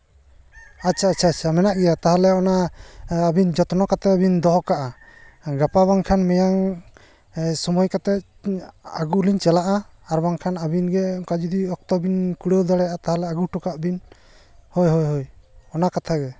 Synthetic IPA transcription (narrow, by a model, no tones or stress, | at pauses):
at͡ʃʰaːt͡ʃʰat͡ʃʰamɛnaʔɡɛjat̪aɦalɛɔnaː | bind͡ʒɔt̪nɔkat̪ɛbind̪ɔɦɔkaʔa | ɡapabaŋkʰanmɛjaŋ | sɔmɔjkat̪ɛ | a̰ɡuliɲt͡ʃɛlaʔa | aɾbaŋkʰanabinɡɛkad͡ʒud̪iɔk̚t̪ɔbinkuɽəwd̪ɔɽɛjat̪aɦalɛaɡuʈɔkaʔbin | hɔjɦɔjɦɔjɔnakat̪ʰaɡɛ